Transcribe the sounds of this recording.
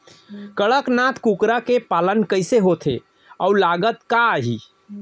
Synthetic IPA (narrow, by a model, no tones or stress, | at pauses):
kəɭəknat̪ʰkukɾakepalənkəɪseɦot̪ʰḛ | ɔulaɡət̪kaɦi